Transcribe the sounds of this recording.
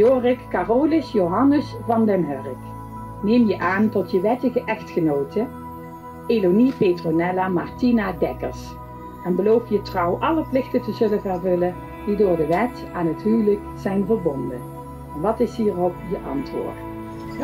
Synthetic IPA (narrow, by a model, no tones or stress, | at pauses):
joːrɪkːaːrowlɪsjowɦɑnəsvɑndɛnɦørək | neːmjəʔaːntɔtjəʋɛtəɣəʔɛxtxənowtə | elonipetronɛlamɑɹtinadɛkəɹs | ɛnbəlowfjətrɑwʔɑləplɪxtətəzɵlənvɛɹvɵlən | didʊːɹdəʋɛt | aːnɦətɦywləkzɛjnvəɹbɔndə | ɛnʋɑtɪsɦiːrɔpjəʔɑ̰ntʋʊ̰ːɹt